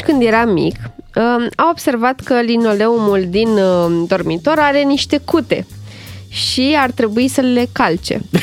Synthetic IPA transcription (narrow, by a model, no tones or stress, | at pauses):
kɨnd̪je̞ɾamḭk | awo̞bse̞rvat̪kəlino̞le̞umuld̪ind̪o̞rmit̪o̞ɾaɾe̞niʃt̪e̞kut̪e̞̰ | ʃiart̪ɾe̞buisəle̞kalt͡ʃe̞̰